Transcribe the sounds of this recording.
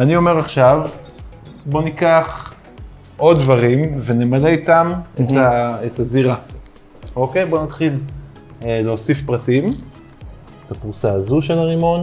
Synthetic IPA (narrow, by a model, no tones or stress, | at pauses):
anio̞me̞ʁaχʃav | bo̞nikaχ | ʔo̞dːvaʁimvenemaleitamet̪aetaziʁa | o̞ke̞jbo̞nat̪χil | leosifpʁatim | etapuʁsaazuʃelaʁimo̞n